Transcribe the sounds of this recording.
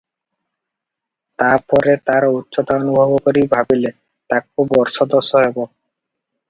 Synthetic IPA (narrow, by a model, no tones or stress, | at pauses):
t̪aɾpɔɾet̪aɾutːʃot̪aonubʱɔbokoɾibʱabile | t̪ak̚ːubɔɾʃɔd̪osːɔɦebo